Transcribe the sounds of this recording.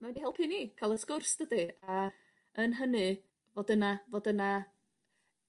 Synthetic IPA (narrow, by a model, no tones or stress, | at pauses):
mawɛndihɛlˠpʰɨniːkʰalˠəskʊrsd̥ədɨa | ənɦənɨ | vodənavodəna